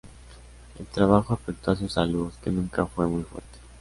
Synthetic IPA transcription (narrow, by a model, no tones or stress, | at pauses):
e̞̰lt̪ɾaβ̞axoafek̚t̪oas̬usaluθke̞nũŋkafwe̞mujfwḛɾt̪e̥